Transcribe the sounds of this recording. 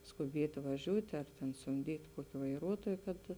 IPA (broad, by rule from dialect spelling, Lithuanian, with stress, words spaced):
skʊˈbʲiɛtʲ ʋɐˈʒʲuːtʲ ɐr tʲeːn sʊmʲˈdʲiːtʲ ˈkuɔkʲɪ ʋɐɪˈruɔtuɔj kɐt